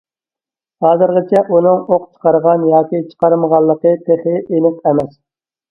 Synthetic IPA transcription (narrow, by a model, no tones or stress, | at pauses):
hɑːzɨɾʁət͡ʃʰɛʔunɨŋoq̚t͡ʃʰə̥qɑɾʁɑnjɑːkʲit͡ʃʰə̥qɑɾməʁɑlˠːəqət̪ʰeχɪʔenɨqɛmɛs